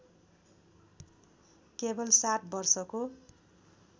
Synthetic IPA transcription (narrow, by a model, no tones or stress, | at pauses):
kebʌlsat̪̚bʌrsʌko